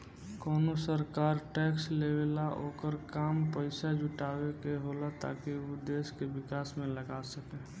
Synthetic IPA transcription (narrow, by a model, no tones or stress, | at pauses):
koːnosəɾkaːɾʈɛːkslewelaʔoːkəɾkaːmpəɪsad͡ʒʱʊʈaːwekeɦolat̪a̰ːkiod̪eːskebɪkaːsmẽləɡasəkeː